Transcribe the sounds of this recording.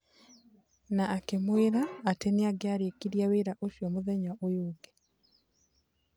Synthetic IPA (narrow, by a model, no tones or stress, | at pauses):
naːkemweɾaːteneaɡeaɾekiɾjaweːɾaʔoʃjɔmoðɛɲaʔojoːɡe